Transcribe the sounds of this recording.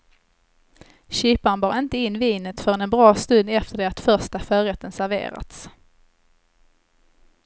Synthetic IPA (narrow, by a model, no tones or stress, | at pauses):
ɕiːpanbɑːɾɪnt̪əɪnːviːnət̪fœɾɛnbɾɑːst̪ɵnd̪ɛft̪əɖɛat̪fœʂʈafœːɾɛt̪ːənsæɾvḛːɾa̰t̪s